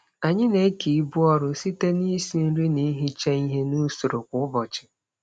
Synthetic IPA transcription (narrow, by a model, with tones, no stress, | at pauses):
a˨ɲɪ˦ne˨˦ki˨˦bu˦ɔ˦ɾʊ˨si˦te˦ni˦si˨n̩˦ɾi˦ni˦ɦi˦t͡ʃe˦i˦ɦe˦nu˦sʊ˨ɾʊ˨kʷʊ˨˦ʊ˦bɔ˨t͡ʃɪ̥˨